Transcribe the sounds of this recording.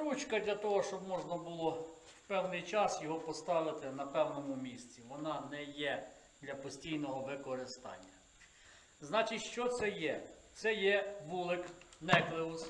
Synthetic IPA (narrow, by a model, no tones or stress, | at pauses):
ɾut͡ʃkɐd̪lʲɐt̪ɔɦɔʃt͡ʃɔbmɔʒnɐbʊlˠɔ | wpɛwnɪjt͡ʃɑsjɔɦɔpɔst̪ɑʋɪt̪ɪnɐpɛwnɔmʊmʲisʲt͡sʲiʋɔnɑnɛjɛ | d̪lʲɐpɔsʲtʲijnɔɦɔʋɪkɔɾɪst̪ɑ̰nʲːɐ | znɑt͡ʃɪtʲʃt͡ʃɔt̪sɛjɛ | t̪sɛjɛʋulˠɪknɛklˠɪʊs